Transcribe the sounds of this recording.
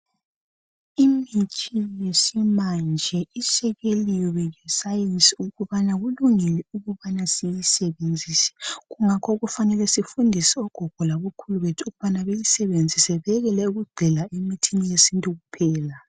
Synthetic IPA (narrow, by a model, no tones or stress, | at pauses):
imitʰijesimand͡ʒʱɛisɛɣeliɔwɛjɛsajensʼiuɣuβanaɣuluŋilɛuɣuβanasijisɛβend͡zʱiːsɛ̥ɣuŋakʰɔɣufanɛlɛsifundʱisiɔɡ̥ʱɔɡ̥ʱɔlaβukʰuluɣetʰuɣuβanaβejisɛβend͡zʱisɛβɛɛɣɛlɛuɣuɡ͡ǀʱɛlaʔemitʰinijesintʼuɣupʰɛːla